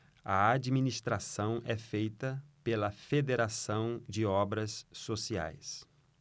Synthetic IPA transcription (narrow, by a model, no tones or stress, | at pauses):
ɐ̰ad͡ʒminist̪ɾasɐ̃w̃ʔɛfejt̪ɐpelɐfed̪eɾasɐ̃w̃d͡ʒɪɔbɾɐsːosia̰js